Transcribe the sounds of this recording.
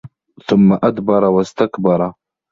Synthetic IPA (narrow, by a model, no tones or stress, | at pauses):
θʊmːaʔad̪bɑɾˤɑwast̪akbɑɾˤɑ